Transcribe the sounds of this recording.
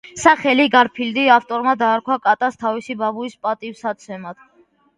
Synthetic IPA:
saχɛliɡaɾpʰild̪iaft̪ʼɔɾmad̪aːɾkʰwakʼat̪ʼast̪ʰavisibabuispʼat̪ʼifsat̪sʰɛmad̪̥

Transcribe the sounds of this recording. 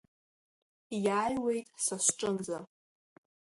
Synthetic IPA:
jaːjwe̞jtʼsasʷʈ͡ʂʼɨnd͡za

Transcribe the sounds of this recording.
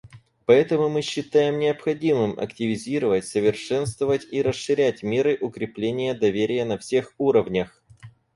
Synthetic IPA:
pɐɛt̪əmʊmɨɕːɪt̪ajɪmnʲɪəpxɐdʲimɨmɐ̰ktʲɪvʲɪzʲiɾəvətʲsəvʲɪrʂɛnst̪vəvətʲiɾəsʂɨɾʲætʲmʲe̞ɾɨʔʊkɾʲɪplʲenʲɪjəd̪ɐvʲeɾʲɪjənɐfsʲe̞xuɾəvnʲəx

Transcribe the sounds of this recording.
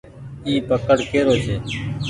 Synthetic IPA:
iːpəkəɽkeːɾoːt͡ʃʰeː

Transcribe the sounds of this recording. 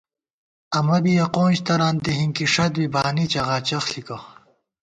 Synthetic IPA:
ɐmɐbijɐqoːnɕt̪ɐɾaːnd̪eɦiŋkiʂɐt̪bibaːnit͡ɕɐɣaːt͡ɕɐxɬikɐ

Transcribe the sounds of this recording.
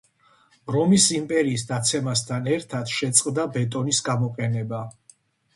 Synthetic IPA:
ɾɔmisimpʼɛɾiːsd̪at̪sʰɛmast̪ʰanɛɾt̪ʰat̪ʰʃɛt̪sʼqʼd̪abɛt̪ʼɔnisɡamɔqʼɛnɛba

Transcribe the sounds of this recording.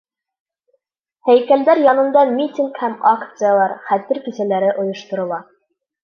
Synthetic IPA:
hæjkæld̪æɾjɑnɤ̆nd̪ɑmʲitʲiŋkhæmakt̪sɨjalˠɑɾχæt̪ɘɾkisælæɾɘʔŏjŏʃt̪ŏɾŏlˠɑ

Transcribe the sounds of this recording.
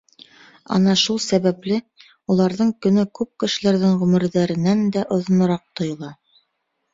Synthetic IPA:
ɑ̰nɑʃulˠsæβæplɘ | ulˠɑɾðɤɴkɵ̆nɵkʉp̚kɘ̆ʃɘ̆læɾðɘŋʁɵmɘ̆ɾðæɾɘ̆nænd̪æʔŏðŏnɤ̆ɾɑq̚t̪ŏjŏlˠɑ

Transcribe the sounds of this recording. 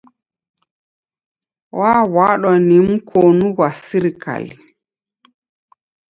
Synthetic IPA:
wʔaːwaɗɔnimkʰoːnuwasiɾka̰li

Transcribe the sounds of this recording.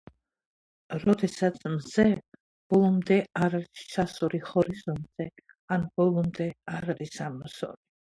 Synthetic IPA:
ɾɔd̪ɛsat̪sʰmzɛ | b̥ɔlˠɔmd̪ɛaɾaɾissasɔɾihɔɾizɔnzɛ | anb̥ɔlˠɔmd̪ɛaɾaɾisamɔsɔ̰ɾi

